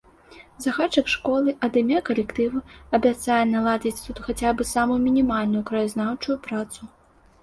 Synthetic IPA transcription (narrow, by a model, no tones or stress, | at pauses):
zɐɣat͡ʂɐkʂkɔlˠɨʔɐd̪ɨmʲɛkɐlʲɛkt̪ɨvɨɐbʲat̪sajɛnɐlˠad͡zʲit͡sʲt̪ut̪xat͡sʲabɨsamujumʲinʲimalʲnujukɾɐjaznawt͡ʂujupɾat̪su